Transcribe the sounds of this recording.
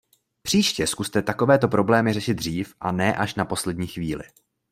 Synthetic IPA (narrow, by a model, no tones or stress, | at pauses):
pr̝̥iːʃcɛskust̪ɛt̪ako̞vɛːt̪o̞pɾo̞blɛːmɪrɛʃɪd̪̚driːfʔanɛːʔaʃnapo̞slɛdɲiːxviːlɪ̰